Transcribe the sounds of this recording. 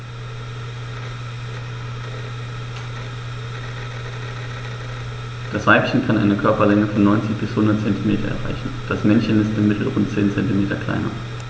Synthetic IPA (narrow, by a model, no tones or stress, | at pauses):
d̥asv̥aɪpçən̩kʰanʔa̰ɪnəkʰœɐpɐlɛŋəfɔnːɔʏnt͡sɪçb̥ɪshʊndɐtt͡sɛntimeːtʰɐ̰ʔɛ̰ɐʁa̰ɪçn̩d̥asmɛnçənɪstɪmːɪtʰl̩ʁʊntt͡seːnt͡sɛntimeːtɐkl̥a̰ɪnɐ̰